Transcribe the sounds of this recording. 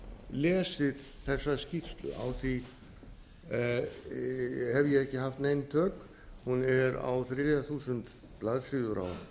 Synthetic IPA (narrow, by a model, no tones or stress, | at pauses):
lɛːsɪð̥ | θɛsːascift̪lʏ̰ʔa̰wθi | hɛvjɛɛhcːɪɦaft̪nejnt̪ʰœːk | hunɛɾa̰wθɾɪːjaθuːsʏnt̪ | plaðsɪðʏɾa̰w